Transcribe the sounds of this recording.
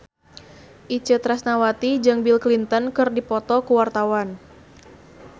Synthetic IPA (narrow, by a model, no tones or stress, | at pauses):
ʔit͡ʃət̪ɾasnawat̪id͡ʒɨŋbilklint̪ɔnkɨrdipɔt̪ɔkuwart̪awan